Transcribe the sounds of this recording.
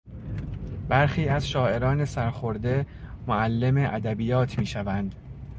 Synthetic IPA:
bæɾxiːæzʃɒːe̞ɾɒːne̞sæɾxoɾd̪e̞ | moælːe̞me̞ʔæd̪æbijɒːt̪ʰmiːʃævænd̪̥

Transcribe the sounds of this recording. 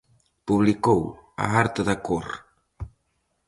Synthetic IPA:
puβlikowa̰aɾt̪əðakoɾ

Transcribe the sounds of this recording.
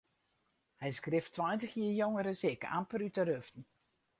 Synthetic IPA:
hɛjskrɪftʰːʋajtəxjiəjoŋəɾəsɪka̰mpərytərøftn̩

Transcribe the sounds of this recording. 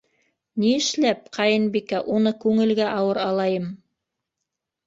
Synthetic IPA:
niɘ̆ʃlæp̚qʰɑjɤnbikæʔunɤkʉŋɘ̆lɡæʔɑwɤɾɑlˠɑjɤm

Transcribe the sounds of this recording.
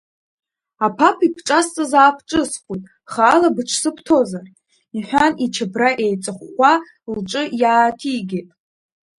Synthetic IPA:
apʰapʰipʰʈ͡ʂʼast͡sʼazaːpʰʈ͡ʂʼɨsχʷujtʼ | χaːlabɨʈ͡ʂʷʰsɨpʰtʰo̞zar | iħʷᶣanit͡ʃʰɪbraʔejt͡sʼɨχːʷa | lʈ͡ʂʼɨjaːtʰiɡʲetʼ

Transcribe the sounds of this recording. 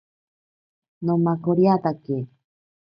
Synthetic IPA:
nomakoɾiat̪ake

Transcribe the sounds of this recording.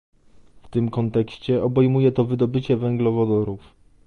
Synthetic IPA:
ft̪ɘmkɔnt̪ɛkɕt͡ɕɛʔɔbɛjmujɛt̪ɔvɘd̪ɔbɘt͡ɕɛvɛŋɡlɔvɔd̪ɔɾuf

